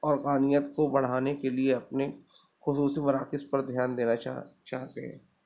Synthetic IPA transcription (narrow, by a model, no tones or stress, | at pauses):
ɔːɾqaːnijət̪kobɐɽ̤aːnekelieɐpne | xʊsuːsimɐɾaːkɪspɐɾd̪ʱjaːnd̪eːnat͡ʃaːɦt̪eɦɛ̰ː